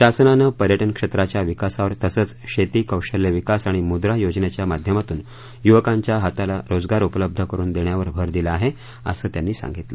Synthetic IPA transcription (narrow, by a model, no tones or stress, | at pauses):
ɕasnanəpəɾjəʈənkʂet̪ɾat͡ɕjaʋikasaʋəɾt̪əsəːt͡sɕet̪iːkəwɕəlːeʋikasaɽ̃imud̪ɾajod͡znet͡ɕjamad̪ʱjəmat̪uːn | juʋəkãɲt͡ɕjaɦat̪alaɾod͡zɡaɾupələb̚d̪ʱəkəɾuːnd̪eɳjaʋəɾbʱəɾd̪iləaɦe | ə̰səːt̪janːiːsa̰ŋɡit̪lə